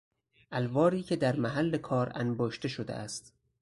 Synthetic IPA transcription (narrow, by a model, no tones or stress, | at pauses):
ʔælvɒːɾiːcʰe̞d̪æɾmæɦælːe̞kʰɒːɾænboːʃt̪e̞ʃod̪ḛʔæst̪